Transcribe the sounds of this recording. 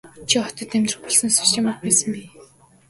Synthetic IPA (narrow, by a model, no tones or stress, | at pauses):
t͡ɕʰiɔt̪ɞ̆t̪ːæmʲt̪rə̥̆χpɔɮsɞ̆nsi̥st̪ʰeːmakpæːsə̆mpiː